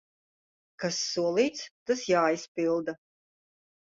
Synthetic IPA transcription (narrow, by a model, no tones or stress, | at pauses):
kasːuɔlˠiːt̪st̪asjaːispilˠd̪a